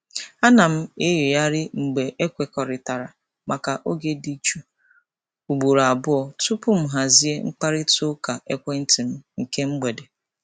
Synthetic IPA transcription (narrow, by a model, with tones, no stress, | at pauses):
a˦na˨m̩˦e˦je˨ja˦ɾɪ˦ŋ͡m̩˨ɡ͡be˨ʔe˦kʷe˨kɔ˨ɾɪ˨ta˨ɾa˨ | ma˨ka˨ʔo˦ɡe˦di˦t͡ʃu˦ | u˨ɡ͡bu˨ɾa˨bʊ˦ɔ˨tu˦pʊ˦m̩˦ɦa˨zi˦e˦ŋ͡m̩˦k͡pa˦ɾɪ˦to˦ka˨ʔe˦kʷe˦n̩˦tɪ˨m̩˦ŋ̩˨ke˦ŋ͡m̩˦ɡ͡be˨de˨